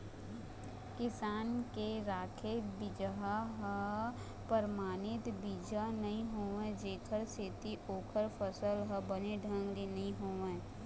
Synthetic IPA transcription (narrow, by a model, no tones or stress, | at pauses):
kɪsaːnkeɾaːkʰebɪd͡ʒɦaɦə | pəɾmaːnɪt̪biːd͡ʒanɐɦĩɦoːʋẽd͡ʒeːkʰəɾset̪iʔoːkʰəɾpəsəlɦəbəneɖʱə̃ŋɡlinɐɦĩɦoːʋẽ